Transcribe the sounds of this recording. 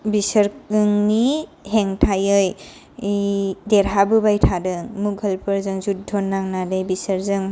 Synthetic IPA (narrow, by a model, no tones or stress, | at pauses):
bisəɾɯŋniɦeŋtʰajɯj | deɾɦabɯbajtʰadɯŋmuɡɦəlpʰɯɾzɯŋzut̚dʰʱɔnːaŋnadɯjbisəɾzɯŋ